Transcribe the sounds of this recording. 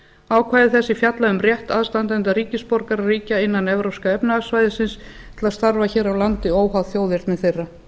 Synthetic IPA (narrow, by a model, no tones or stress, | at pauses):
aːwkʰvaːjɪθɛsːɪfjat̪laðʏmrjɛht̪aðst̪ant̪ɛnt̪aɾiːcɪspɔɾkaɾariːcaɪnːanɛvɾowskaɛpnɪasvajðɪsɪns | t̪ʰɪlaðst̪aɾvaçɛːɾawlant̪ɪoːwɦawðθjoːwðɪɾt̪mɛðθejrːa